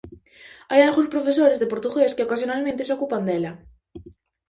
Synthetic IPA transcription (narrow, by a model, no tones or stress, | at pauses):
ajaɾxuspɾofes̬oɾezðepoɾt̪uxesceokasjonalment̪isokupɐnd̪elɐ